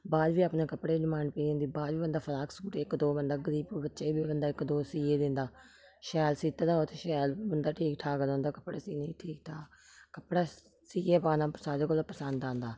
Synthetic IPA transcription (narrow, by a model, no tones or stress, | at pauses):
baːd̪ʋiːaːpneːkəpɽeːɖɪmaːɳpeːd̪ẽnd̪iːbaːd̪ʋiːbənd̪aːpʰəlaːksuːʈeːɪkd̪oːbənd̪aːɡəɾiːbbətːʃeːbiːbənd̪aːɪkd̪oːsiːeːd̪ɪ̃nd̪aː | ʃɛːlsiːt̪aːd̪aːɦoːt̪eːʃɛːlbənd̪aːʈʰiːkʈʰaːkəlõːnd̪aːkəpɽaːsiːnə̃ĩːʈʰiːk̚ʈʰaːkəpɽaː | siːeːpaːnãːsaːɾeːkoːlopəsə̃nd̪ãːnd̪aː